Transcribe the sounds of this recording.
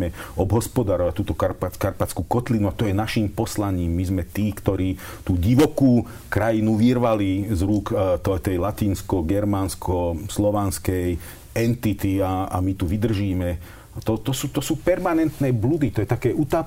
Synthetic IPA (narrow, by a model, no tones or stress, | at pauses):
ɛɔbɦɔspɔd̪aːɾɔʋac̚t̪uːt̪ɔkaɾpat͡skaɾpat͡skuːkɔt̪linuat̪ɔjɛnaʃimpɔslaɲiːmːizmɛt̪iːkt̪ɔɾiː | t̪uːɟiʋɔkuː | kɾajinuʋirʋalizɾukt̪ɔt̪ɛjlat̪iːnskɔɡɛɾmanskʰɔslɔʋanskɛj | ɛnt̪it̪iaa̰mit̪uʋid̪r̩ʒiːmɛ | t̪ɔt̪ɔsuːt̪ɔsuːpɛɾmanɛnt̪nɛːblud̪it̪ɔjɛt̪akɛːut̪aː